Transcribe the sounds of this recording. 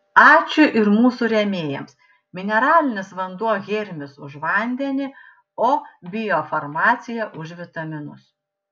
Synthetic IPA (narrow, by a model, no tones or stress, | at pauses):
ɑːt͡ʃʲʊʔɪɾmuːsuɾʲɛmʲeːjɛms | mʲɪnʲɛɾɑːlʲɪnʲɪsʋɐnd̪uɔɣʲɪɾʲmʲɪsʊʃʋɐˑnʲd̪ʲɛnʲɪ | oːbʲɪjoːfɐɾmɑːt̪sʲɪjɛʔʊʒʋʲɪt̪ɐmʲɪnʊs